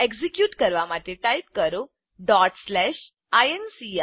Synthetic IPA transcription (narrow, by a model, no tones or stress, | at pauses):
eɡd͡zikjuːʈkəɾʋamat̪eʈaipkəɾo | ɖɔʈslɛɕ | ajensia